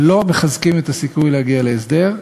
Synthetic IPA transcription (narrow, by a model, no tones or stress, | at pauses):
lo̞meχazkimet̪asikujlehaɡiale̞esd̪e̞ʁ